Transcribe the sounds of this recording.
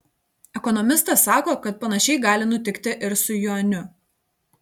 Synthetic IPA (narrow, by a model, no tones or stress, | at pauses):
ɛkɔnɔmʲɪst̪ɐsːɑːkoːkɐt̪̚pɐnɐʃʲɛɪɡɑːlʲɪnʊt̪ʲɪkt̪ʲɪʔɪɾsʊjunʲʊ